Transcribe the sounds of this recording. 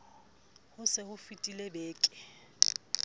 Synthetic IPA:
hʊsɪhʊfitʼilebeːkʼɪ

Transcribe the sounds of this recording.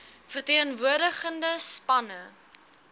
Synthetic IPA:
fərtiːχənvuərdəχəndəspɐnə

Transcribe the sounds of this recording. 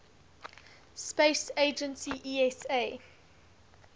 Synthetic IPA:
speɪseɪd͡ʒə̃nsiʔiɛse

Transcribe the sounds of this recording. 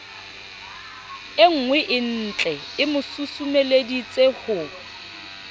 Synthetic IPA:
ɪŋ̩ŋwɛʔɪn̩t͡ɬʼɛ | ɪmʊsusumeledit͡sʼehʊ

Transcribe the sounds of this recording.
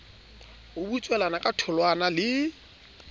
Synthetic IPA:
ʊbut͡ʃʼwɛlanakʼatʰʊlwanalɪ

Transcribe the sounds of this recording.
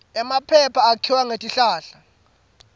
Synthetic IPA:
ɛmapʰɛpʰaːkʰiwaŋetʼiɬaːɬa

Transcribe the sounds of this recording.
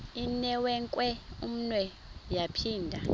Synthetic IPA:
inɛwɛŋkʼwɛum̩nwɛ | japʰiːndʱa

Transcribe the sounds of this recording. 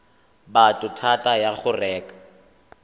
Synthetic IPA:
batʼʊtʰatʼajaχʊrɛːkʼḁ

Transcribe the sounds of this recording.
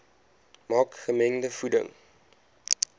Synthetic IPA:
mɑːkχəmɛŋdəfudə̰ŋ

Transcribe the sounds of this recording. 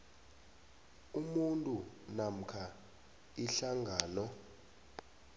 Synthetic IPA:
umuntʼu | nam̩kʰa | iɬaŋɡʱaːnɔ

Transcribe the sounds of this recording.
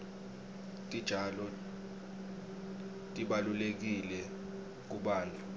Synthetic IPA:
tʼid̥ʒ̥ʱalɔ | tʼiɓalulek̬ilɛ | k̬uɓaːntʼu

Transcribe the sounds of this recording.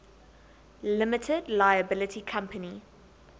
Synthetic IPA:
lɪmɪtʰɪdlaɪəbɪlɪtʰikʰãmpʰəni

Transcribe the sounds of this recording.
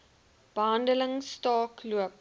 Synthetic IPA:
b̥əɦɐndələŋstɑːkluəp̚

